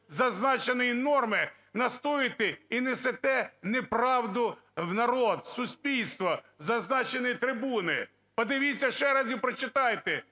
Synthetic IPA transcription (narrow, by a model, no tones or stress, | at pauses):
zɐznɑt͡ʃenɪjinɔrmɪ | nɐst̪ɔjɪt̪ɪinɛset̪ɛnepɾɑwd̪ʊwnɐɾɔd̪̚sʊsʲpʲilʲst̪ʋɔ | zɐznɑt͡ʃenɪjit̪ɾɪbunɪ | pɔd̪ɪʋʲit͡sʲːɐʃɛɾɑzʲipɾɔt͡ʃɪt̪ɑjt̪ɪ